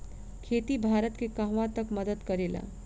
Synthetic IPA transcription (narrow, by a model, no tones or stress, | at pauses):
kʰeːt̪ibʱaːɾət̪kekãɦʋãt̪əkməd̪əd̪kɐɾeːla̰